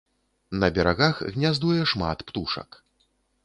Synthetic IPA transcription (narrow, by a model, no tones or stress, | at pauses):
nɐbʲɛɾaɣaxɣnʲazd̪ujɛʂma̰t̪pt̪uʂɐ̰k